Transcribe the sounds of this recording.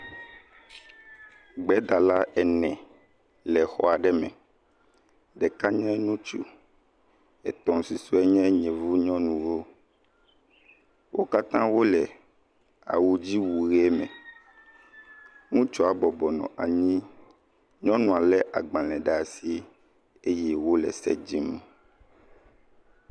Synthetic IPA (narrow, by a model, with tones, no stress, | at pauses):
ɡ͡bɛ˦d̪a˨la˦ʔɛ˨nɛ̃˨ | lɛ˨xɔ˦a˨ɖɛ˦mɛ̃˨ | ɖɛ˨ka˦ɲɔ̃˦nũ˦t͡ʃṵ˦ | ɛ˨t̪ɔ̃˨si˨su˦ɛ˦ɲɛ̃˦ɲɛ̃˨vu˦ɲɔ̃˦nũ˨wo˦ | wʔo˦ka˦t̪ã˦wo˦lɛ˨ | a̰˨wu˨d͡ʑi˦wu˨ɣɛ˦mɛ̃˨ | ŋũ˦t͡ʃɔ˦a˨bɔ˨bɔ˨nɔ̰̃˨ʔa˨ɲĩ˦ | ɲɔ̃˦nũ˨a˨lɛ˦ʔa˨ɡ͡bã˨lɛ̃˨ɖa˨si˦ | e˦jɛ˦wo˦lɛ̰˨sɛ̰˦d͡ʑi˦m˨